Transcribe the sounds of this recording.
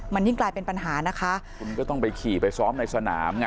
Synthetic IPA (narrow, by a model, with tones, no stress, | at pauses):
ma˧nji˥˩ŋklaː˧jpe˧npa˧nɦaː˩˦na˦˥kʰa˦˥ʔʰ | u˧nkɔː˥˩t̪ɔ˥˩ŋpa˧jkʰiː˨˩pa˧jsɔː˦˥mna˧jsa˧na̰ː˩˦mŋ˧